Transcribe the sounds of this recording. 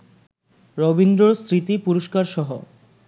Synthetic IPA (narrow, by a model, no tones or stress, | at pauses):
ɾobind̪ɾoɾsɾit̪ipuɾoʃkaɾʃɔɦo